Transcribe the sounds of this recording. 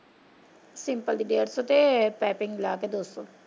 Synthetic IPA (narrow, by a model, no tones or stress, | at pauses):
sɪmpəld̪iɖeːəɾsoːt̪epɛːpɪŋɡlaːked̪oːst̪o